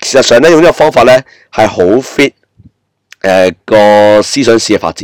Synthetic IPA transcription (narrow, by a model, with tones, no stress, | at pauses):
kʰe˨˩sɐ˨t̚sœː˨ŋlɛː˥jŋniː˥kɔ˧fɔː˥ŋfaː˧t̚lɛː˥ | hɐ˨jho˨˥wfiː˥t̚ | ʔɛː˨kɔː˧siː˥sœː˨˥ŋsiː˥kɛ˧fa̰ː˧t̚t͡siː˨˦